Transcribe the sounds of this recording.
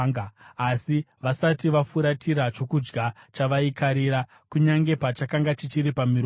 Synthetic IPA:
asiʋasatiʋafuɾatʰiɾat͡ʃo̞kud͡ʒɡat͡ʃaʋaikaɾiːɾa | kuɲaŋɡe̞pat͡ʃakaŋɡat͡ʃit͡ʃiɾipamiɾo

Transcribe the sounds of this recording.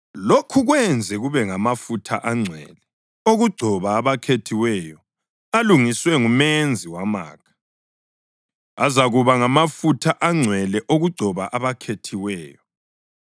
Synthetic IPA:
lokʰuɣwɛnd͡zʱɛɣuβɛŋamafutʰa̰ʔaŋ͡ǀʱwɛ̰lɛ | oɣuɡ͡ǀʱɔβaːβakʰetʰiwɛjɔ | aluŋiswɛŋumend͡zʱiwama̰ːkʰḁ | a̰zaɣuβaŋamafutʰaʔaŋ͡ǀʱwɛlɛʔoɣuɡ͡ǀʱɔβa̰ʔaβakʰetʰiwɛːjɔ

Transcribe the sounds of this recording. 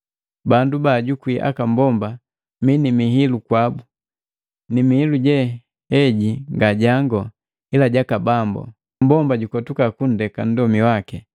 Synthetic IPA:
bandubaːɟukwiʔa̰kambɔmba | minimiɦilukwabu | nimihiluɟɛ | hɛɟiŋɡaɟaŋɡɔ | ilaɟakabambɔ̰ | mbɔmbaɟukɔtukakun̩dɛka̰n̩dɔmiwakɛ

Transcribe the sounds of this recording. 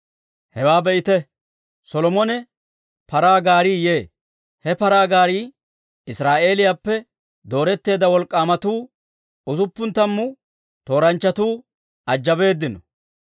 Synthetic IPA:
hɛwaːbɛʔɪt̪ɛ | sɔlɔmɔnɛ | pɐɾaːɡaːɾiːjeː | hɛpɐɾaːɡaːɾiː | ɪsɾaːʔe̞ːlɪjapːɛ | d̪o̞ːɾɛt̪ːe̞ːd̪ɐwɔlkʼːaːmɐt̪uː | ʊzʊpːʊnt̪ːɐmːʊ | t̪o̞ːɾɐnt͡ʃːɐt̪uː | ɐd͡ʒːɐbe̞ːd̪ːɪnɔ

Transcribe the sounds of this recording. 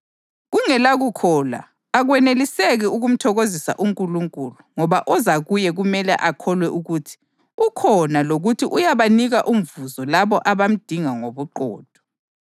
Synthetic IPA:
ɣuŋɛlaɣukʰɔːla̰ː | ɣwɛneliseɣiuɣum̩tʰɔɣozisa̰ʔuŋkʼuluŋkʼuluŋɔβaʔɔzaɣujɛɣumɛlɛ̰ʔakʰɔlwɛʔuɣuːtʰi̥ | ukʰɔnaloɣutʰiʔujaβaniɣaʔum̩vuzɔlaβɔʔaβam̩d̥ʱiŋaŋoβuǃɔ̰ːd̥ʱɔ̥

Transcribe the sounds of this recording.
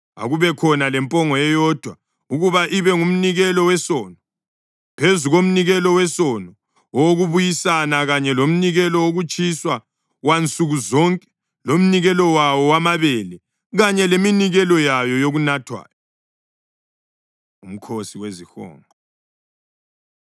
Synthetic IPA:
a̰ɣuβɛkʰɔnalɛmpʼɔŋɔɛjɔd̥ʱwa | uɣuβaʔiβɛŋum̩niɣɛlɔwɛsɔːnɔ | pʰezuɣom̩niɣɛlɔwɛsɔnɔ | woɣuβujisanaɣaɲɛlom̩niɣɛlɔwoɣut͡ʃʼiswa | ɣwant͡sʼuɣuzɔŋkʼɛ̥ | lom̩niɣɛlɔwawɔwamaβeːlɛ | ɣaɲɛleminiɣɛlɔjajɔjoɣunatʰwa̰ːjɔ | um̩kʰosiwezixɔ̰ːŋɔ

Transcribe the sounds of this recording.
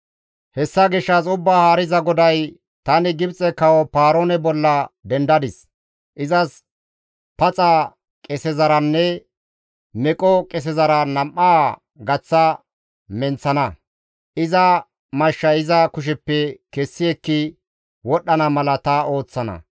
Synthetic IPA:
hɛsːɐɡɪʃːɐs̬ʊbːaːhaːɾɪzɐɡɔd̪ɐj | t̪ɐnɪɡɪbt͡sʼɛkɐwɔpaːɾoːnɛbɔlːɐd̪ɛnd̪ɐd̪ɪs | ʔɪzɐs | pɐt͡sʼɐ | kʼɛsɛzɐɾɐnːɛ | mɛkʼɔkʼɛs̬ɛzɐɾɐnɐmʔːaː | ɡɐt͡sːɐ | mɛnt͡sːɐnɐ | ʔɪzɐ | mɐʃːɐɪzɐkʊʃ̬ɛpːɛkɛsːɪjɛkːɪ | wɔɗːɐnɐmɐlɐt̪ɐo̞ːt͡sːɐnɐ̰

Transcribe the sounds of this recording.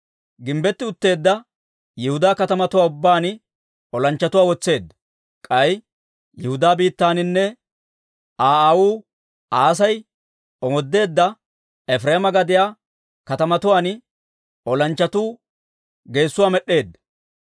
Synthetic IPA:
ɡɪmbɛt̪ːɪʊt̪ːe̞ːd̪ːɐ | jɪhʊd̪aːkɐt̪ɐmɐt̪ʊwaːʊbːaːn | ɔlɐnt͡ʃːɐt̪ʊwaːwɔt͡sːe̞ːd̪ːɐ̥ | kʼɐj | jɛhʊd̪aːbiːt̪ːaːnɪnːɛ | aːawuː | ʔaːs̬ɐj | ɔmɔd̪ːe̞ːd̪ːɐ | ɛfɾeːmɐɡɐd̪ɪjaː | kɐt̪ɐmɐt̪ʊwaːn | ɔlɐnt͡ʃːɐt̪uː | ɡe̞ːsːʊwaːmɛɗːe̞ːd̪ːɐ̥

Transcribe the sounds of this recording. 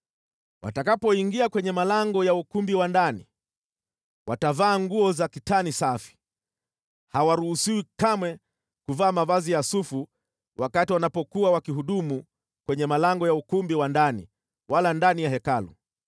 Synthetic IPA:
wa̰takapɔiŋɡiakwɛɲɛmalaŋɡɔjaukumbiwandani | wa̰tavaːŋɡuɔzakitanisafi̥ | hawaɾuhusiwikamwɛ | kuvaːmavazijasufu | wʔakatiwanapɔkuawakiɦuɗumu | kwɛɲɛmalaŋɡɔjaukumbiwandanḭ | walandanijaɦɛkalṵ

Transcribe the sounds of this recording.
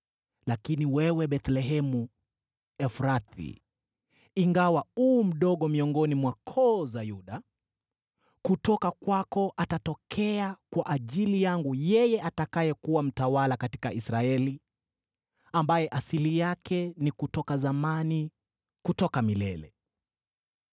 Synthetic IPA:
lakiniwɛwɛɓɛt̪lɛɦɛmu | ɛfɾat̪ḭ | iŋɡawaum̩ɗɔɠɔmiɔŋɡɔnimwakʰɔzajuɗa | kutɔkakwakɔʔatatɔkʰɛakwaʔaʄilijaŋɡujɛjɛʔatakajɛkuwam̩tawalakati̥kaʔisɾaɛli | ambajɛʔasilijakʰɛnikutɔkazamani | kutɔkamilɛlɛ̰

